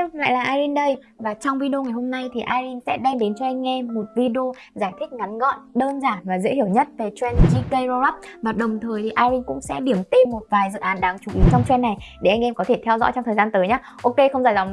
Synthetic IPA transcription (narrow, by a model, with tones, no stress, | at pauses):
la̰ː˧˨jlaː˨˩ʔaː˧jzi˧nɗə˧j | vaː˨˩t͡ɕɔ˧wŋ͡mvi˧ɗo˧ŋa˨˩jɦo˧mna˧jt̪ʰi˨˩ʔaː˧jzi˧nsɛ̰˧˥ɗɛ˧mɗe˨˦nt͡ɕɔ˧ʔa˧jŋ̟ŋɛ˧mo˨˩t̚vi˧ɗi˧o˧ | zaː˧˩jt̪ʰi˦˥k̟̚ŋa˨˦nɣɔ̰˧˨nɗəː˧nzaː˧˩nvaː˨˩zḛ˧˥hi˧˩əwɲə˦˥t̚ve˨˩t͡ɕwɛ˧nt͡ɕi˧kə˧jɾɔ˧za˦˥p̚vaː˨˩ɗə˨˩wŋ͡mt̪ʰəː˨˩jt̪ʰi˨˩ʔaː˧jzi˧nkʊ̰˧˥ŋ͡msɛ̰˧˥ɗi˧˩əmt̪i˧mo˨˩t̚vaː˨˩jzɨ̰˧˨ʔaː˨˦nɗaː˨˦ŋt͡ɕu˧˩ʔi˨˦t͡ɕɔ˧wŋ͡mt͡ɕwɛ˧nːa˨˩jɗe˧˩ʔa˧jŋ̟ʔɛ˧mkɔ˨˦t̪ʰe˧˩t̪ʰɛ˧wzɔ̰˧˥jt͡ɕɔ˧ŋ͡mt̪ʰəː˨˩zaː˧nt̪əː˨˦jɲaː˨˦ʔo˧ke˧xə˧wŋ͡mzaː˧˩jza˨˩ŋ